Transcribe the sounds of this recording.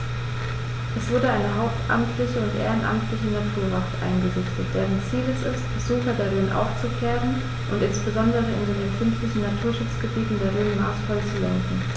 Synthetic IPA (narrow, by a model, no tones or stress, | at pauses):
ʔɛsv̥ʊɐɾəʔaɪnəɦaʊp̚tʔa̰mtʰlɪçəʊntʔḛːʁənʔa̰mtʰlɪçənatʰuːɐvaftʔa̰ɪnɡəzɪçtət̚d̥eːʁənt͡siːləsɪstb̥əz̥uːxɐdaʁɪnʔa̰ʊft͡sukʰeːʁən | ʔʊntʔɪnsb̥əzɔndəʁ̞əɪ̰ndeːndeːnkʰʏnftlɪçn̩natʰuːɐʃʊt͡sɡ̥əbiːtn̩deːɐʁɪnənʔa̰stfalt͡sulɛ̰ŋkn̩